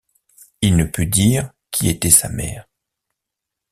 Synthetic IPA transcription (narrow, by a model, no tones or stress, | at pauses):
ilnəpyd̪iːʁ | kʲʰiet̪ɛsa̰mɛ̰ːʁ